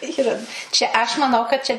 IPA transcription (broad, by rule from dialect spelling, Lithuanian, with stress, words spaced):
ˈiːrɐ ˈt͡ʃʲɛ ɐʃ mɐˈnɐʊ kɐt ˈt͡ʃʲɛ